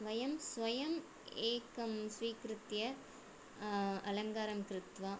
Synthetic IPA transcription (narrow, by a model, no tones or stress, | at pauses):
ʋɐjɐmsʋɐjɐm | eːkɐmsʋiːkɾɯt̪jɐ | ɐlɐŋɡaːɾɐmkɾɪt̪ʋa